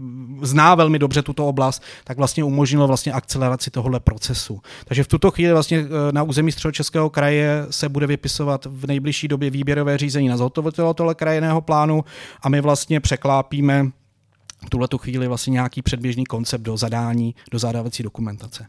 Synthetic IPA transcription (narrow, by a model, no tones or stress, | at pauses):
znaːvɛlmɪdobrɛt̪ut̪o̞oblast̪t̪aɡvlast̪ɲɛumo̞ʒɲɪlovlast̪ɲɛʔak̚t͡sɛlɛɾat͡sɪt̪oɦodlɛpɾo̞t͡sɛsut̪aɡʒɛft̪ut̪o̞xviːlɪvlast̪ɲɛnauːzɛmiːst̪r̥ɛdot͡ʃɛskɛːɦo̞kɾajɛsɛbudɛvɪpɪsovat̪vnɛjblɪʃiːdo̞bjɛviːbjɛɾo̞vɛːriːzɛɲiːnazɦot̪ovɪt̪ɛlot̪oɦlɛkɾajɪnɛːɦo̞plaːnuʔamɪvlast̪ɲɛpr̝̥ɛklaːpiːmɛ | t̪uɦlɛt̪uxviːlɪvlast̪ɲɛɲɛjakiːpr̝̥ɛd̚bjɛʒniːko̞nt͡sɛp̚do̞zadaːɲiːd̥o̞zadavat͡siːdo̞kumɛnt̪at͡sɛ